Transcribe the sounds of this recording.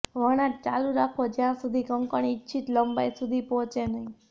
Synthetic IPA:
ʋəɽ̃at̚t͡ʃaluɾakʰʋod͡ʒjãsud̪ʱikəŋkəɳ̃itːt͡ʃʰit̪ləmbajsud̪ʱipɔ̃ɦɔ̃t͡ʃenəɦĩ

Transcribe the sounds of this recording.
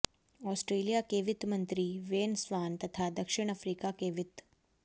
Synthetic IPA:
ɔsʈɾeːlijakeːʋit̪mənt̪ɾiːʋeːnsʋaːnt̪ɐt̪ʰad̪əkʂiɳ̃əfɾiːkakeːʋit̪

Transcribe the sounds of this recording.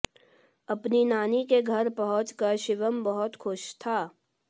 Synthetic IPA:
ɐpninaːnikeɡʱɐɾpɐɦʊ̃t͡ʃkɐɾʃɪʋəmbɐɦʊt̪xʰʊʃt̪ʰaː

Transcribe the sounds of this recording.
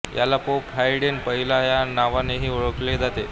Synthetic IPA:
jʔa̰lapopɦajɽenpəɦilajanaʋaneɦiːuɭəkled͡zat̪e

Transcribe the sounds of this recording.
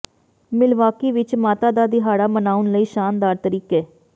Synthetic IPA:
mɪlʋaːkiːʋɪt͡ʃmaːt̪aːd̪aːd̪iːɦaːɽaːmənaːʊnləiːʃaːnd̪aːɾt̪əɾiːkeː

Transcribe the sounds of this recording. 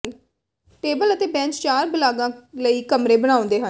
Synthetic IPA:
n | ʈeːbələt̪eːbɛ̃ːnt͡ʃt͡ʃaːɾbəlaːɡãːləiːkəmɾeːbəɽ̃aːõnd̪eːɦə

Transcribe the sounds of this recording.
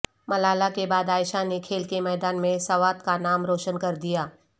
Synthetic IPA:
mɐlaːlakebaːd̪aːɪʃanekʰeːlkemɛːd̪aːnmẽsɐʋaːt̪kanaːmɾoːʃənkɐɾd̪ijaː

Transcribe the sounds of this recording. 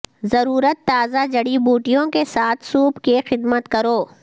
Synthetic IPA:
zɐɾuːɾət̪ːaːzad͡ʒɐɽibuːʈijõkesaːt̪ʰsuːpkixɪd̪mət̪kɐɾoː

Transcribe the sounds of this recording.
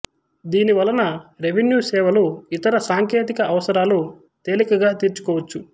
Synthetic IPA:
d̪iːniʋɐlːɐnɐɾeʋenjuːsɛːʋɐloːit̪ɐɾɐsaːŋkeːt̪ikɐʔɐʋɐsɐɾaːlo | t̪eːlikɐɡaːt̪iːɾt͡ʃu̥kɔːʋɐt͡ʃːu

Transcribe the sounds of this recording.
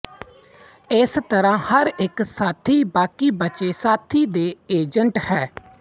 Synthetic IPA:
ɪst̪əɾãːhəɾɪksaːt̪ʰiːbaːkiːbət͡ʃeːsaːt̪ʰiːd̪eːeːd͡ʒəɳʈhɛː

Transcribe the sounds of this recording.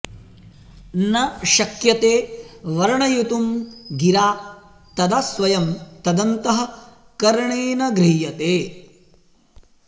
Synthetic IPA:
nɐʃɐkjɐt̪eːʋɐɾɐɳɐjut̪umɡiɾaː | t̪ɐd̪ɐsʋɐjɐmt̪ɐd̪ɐnt̪ɐɦɐ̆ | kɐɾɐɳeːnɐɡɾijɐt̪eː

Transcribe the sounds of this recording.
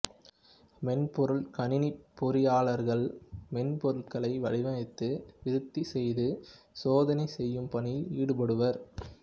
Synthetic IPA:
mɛnpɔɾɯɭkɐɳɪnɪppːɔɾɪjaːɭɐɾɣɐɭmɛnpɔɾɯɭkɐɭɐɪʋɐɻɪʋɐnɐɪt̪ːɯʋɪɾɯt̪ːisɛjðɯ | soːðɐnɐɪsɛjːɯmpɐɳɪiːɽɯpɐɽɯʋɐɾ

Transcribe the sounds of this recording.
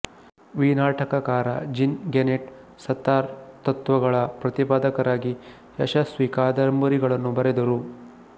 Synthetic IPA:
ʋiːnaːʈɐkɐkaːɾɐ̰d͡ʒinɡeneʈ | sɐt̪ːaːɾt̪ɐt̪ʋɐɡɐɭɐpɾɐt̪ipaːd̪ɐkɐɾaːɡi | jɐʃɐsʋiːkaːd̪ɐɾɐmbɐɾiɡɐɭɐnːubɐɾɛd̪ɐɾu

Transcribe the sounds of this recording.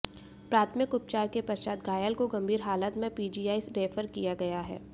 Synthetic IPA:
pɾaːt̪ʰəmɪkʊp̚t͡ʃaːɾkepɐst͡ʃaːd̪ɡaːjəlkoɡɐ̃mbʱiːɾɦaːlət̪mẽpiːd͡ʒiːjaːisɾeːfəɾkijaɡɐjaɦɛ̰ː

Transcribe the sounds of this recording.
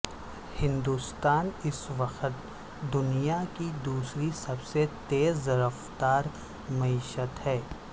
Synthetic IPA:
hɪ̃nd̪uːst̪aːnɪsʋɐqət̪ | d̪ʊnijakid̪uːsɾisɐbset̪eːzɾəft̪aːɾ | mɐiːʃət̪hɛː

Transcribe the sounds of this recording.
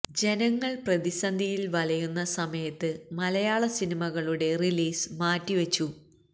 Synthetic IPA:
d͡ʑe̞nɐŋːɐɭprɐðisɐnd̪ʱijilʋɐlɐjunːɐsɐmɐjɐt̪ːɨmɐlɐjaːɭɐsinimɐɣɐɭuɽe̞riliːsmaːtːiʋɐt͡ɕːu

